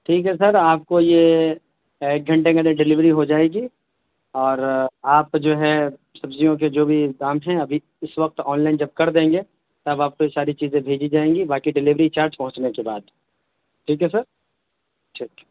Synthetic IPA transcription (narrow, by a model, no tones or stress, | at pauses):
ʈʰiːkɦɛsɐɾaːp̚koje | eːk̚ɡʱɐ̃ɳʈẽkãd̪ẽɖɪlɪʋɾiɦod͡ʒaːeːɡi | ɔːɾaːpd͡ʒoːɦɛ | sɐbzijõk̬ed͡ʒoːbʱid̪aːmɦɛ̃ɐbʱi | ɪsʋɐk̚t̪ɔːnlaːɪnd͡ʒɐb̚kɐɾd̪ẽːŋɡe | t̪ɐbaːp̚kojesaːɾit͡ʃiːzẽbʱeːd͡ʒid͡ʒaːẽːɡibaːkiɖɪlɪʋɾit͡ʃaːɾd͡ʒpɐɦʊ̃t͡ʃnekebaːd̪ | ʈʰiːkɦɛsɐɾ | ʈʰiːkɛ